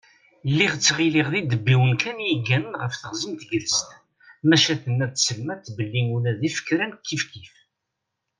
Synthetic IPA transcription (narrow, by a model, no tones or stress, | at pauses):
lːiʁt͡sːʁiliʁðid̪əbːiwənkʰænjiɡːænənʁəfθəʁzəmt̪ɡələst̪ | mæʃæθənːæðsəlmæθːbəlːinulæðifə̥kːɾænkʰːifkif